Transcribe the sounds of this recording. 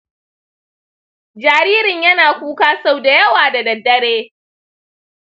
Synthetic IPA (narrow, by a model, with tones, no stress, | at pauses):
d͡ʒaː˨ɾiː˦ɾɪ˨ɲjɐ˦naː˨kʷuː˦kaː˦sa˦˨wda˨jɐ˦waː˨da˨dɐ˨dːɐ˦ɽeː˦